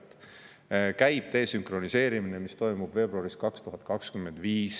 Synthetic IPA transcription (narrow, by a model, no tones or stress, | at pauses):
kæjb̥̚t̪e̞ːsyŋkro̞nise̞ːɾiminemist̪o̞jmub̥ve̞ːbɾuɑɾiskɑkst̪uɦɑt̪̚ːˑkɑkskymːe̞nd̪̥viːs